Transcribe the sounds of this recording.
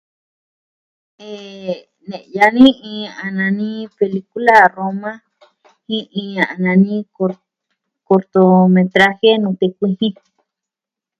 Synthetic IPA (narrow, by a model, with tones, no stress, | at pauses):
e˨ | nẽ˨ʔjanĩ˦ĩ˧a˨nã˧nĩ˦pe˨liku˦la˦romã˦ | hĩ˦ʔĩ˧a˨nãnĩ˦ | ko˨ɾt̪omẽ˨t̪ɾa˦xe˦nũ˧t̪e˧kʷĩ˧hĩ˦